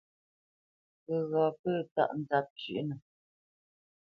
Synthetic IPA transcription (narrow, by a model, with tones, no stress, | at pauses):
pə˨ɣɔ˨pə˦˨ta̰˦˨ʔn̩˨da˦p̚t͡ʃʉ̰˦˨ʔnə˨